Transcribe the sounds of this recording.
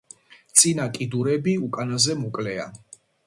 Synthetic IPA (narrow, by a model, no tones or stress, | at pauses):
t̪sʼinakʼid̪uɾɛbiukʼanazɛmɔkʼlɛa